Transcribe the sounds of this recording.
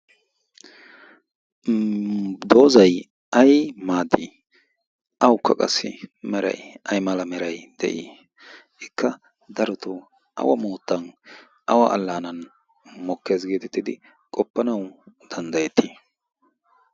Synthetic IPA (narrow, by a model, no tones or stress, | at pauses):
d̪o̞ːzɐj | ʔɐjmaːd̪i | ʔɐwʊkːɐ̰kʼɐ̰sːɪ̰mɛɾɐ̰jʔɐjmɐlɐmɛɾɐjd̪̥ɛ̰ʔi | ɪkʰːɐ | d̪ɐɾʊt̪ʊ | ʔɐ̰wɐ̰moːt̪ːɐn | ʔɐwɐ̰ɐlːaːnɐn | mɔkːeːzɡeːt̪ɛt̪ːɪd̪ɪ | kʼɔpːɐnɐwd̪̥ɐnd̪ɐjɛt̪ːiː